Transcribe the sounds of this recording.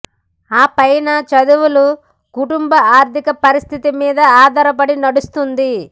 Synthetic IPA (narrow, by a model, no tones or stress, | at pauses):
aːpɐjnɐt͡ʃɐd̪uʋulu | kuʈumbɐaːɾt̪ʰikɐpɐɾist̪ʰit̪imiːd̪ɐaːd̪ɐɾɐpɐɽinɐɽust̪und̪i